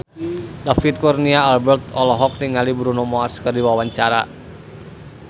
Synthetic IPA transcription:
dafit̪̚kɔrniaːlbɛrt̪ɔlɔɦɔk̚niŋalibuɾunɔmɔarskərdiwawaɲt͡ʃaɾa

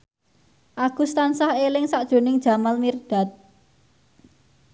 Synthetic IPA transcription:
ʔaɡ̥ṳst̪ansahelɪŋsaʔd̥ʒ̥o̤nɪŋd̥ʒ̥a̤malmird̥a̤t̪̚

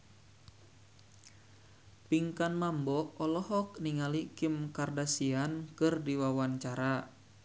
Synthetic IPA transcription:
piŋkanmambɔʔɔlɔɦɔk̚niŋalikimkardasiankɨrdiwawaɲt͡ʃaɾa

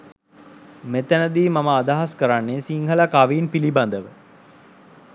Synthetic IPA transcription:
met̪ænəd̪iːmaməːd̪aɦaskəɾanːesiŋɦəlakaʋiːnpiliband̪əʋə

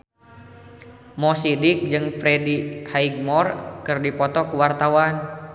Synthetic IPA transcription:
mɔsidik̚d͡ʒɨŋfɾɛdihaiɡ̚mɔrkɨrdipɔt̪ɔkuwart̪awan

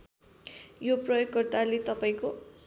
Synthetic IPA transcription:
joprʌjokːʌrt̪alet̪ʌpaĩko

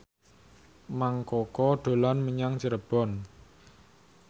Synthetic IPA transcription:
maŋkɔkɔɖ̪̥o̤lanməɲaŋt͡ʃəɾəb̥ɔ̤n

